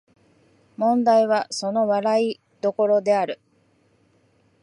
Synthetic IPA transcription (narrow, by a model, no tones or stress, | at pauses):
mõ̞nd̪aiβ̞aso̞no̞βaɾai | d̪̥o̞ko̞ɾo̞d̪e̞aɾɯ̟